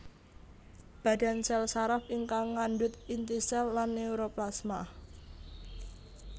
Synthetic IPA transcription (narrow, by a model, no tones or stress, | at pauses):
b̥a̤d̥a̤nsɛlsaɾafiŋkaŋːaɳdʊt̪int̪isɛlːanːeuɾoplasma